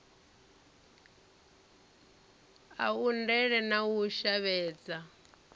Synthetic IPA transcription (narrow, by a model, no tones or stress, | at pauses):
a̰undɛɺɛnawuʃaβɛːd͡za